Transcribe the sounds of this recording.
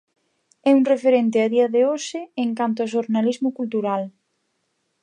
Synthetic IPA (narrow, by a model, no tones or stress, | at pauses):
ɛuŋrefeɾent̪̬ɪaðiɐðeoʃɪeŋkant̪̬ʊaʃ̬oɾnalizmʊkult̪uɾal